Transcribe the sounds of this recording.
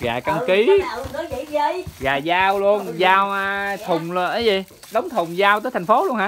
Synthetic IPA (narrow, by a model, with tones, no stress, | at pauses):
ɣaː˨˩ka˧ŋki˨˦˧ə˨˦ki˧˥zə˧jɣaː˨˩zaː˧wlu˧ənzaː˧wa˧t̪ʰʊ˨˩ŋ͡mlə˧˨˩ʔə˨˦zi˨˩ | ɗə˨˦wŋ͡mt̪ʰʊ˨˩wŋ͡mzaː˧wt̪əː˨˦jt̪ʰa˨˩ŋ̟fo˨˦lu˧ənhaː˨˧˦